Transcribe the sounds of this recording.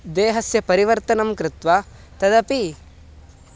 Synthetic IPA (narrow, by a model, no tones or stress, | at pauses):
d̪eːɦɐsjɐpɐɾiʋɐɾt̪ɐnɐmkɾɪt̪ʋa | t̪ɐd̪ɐpi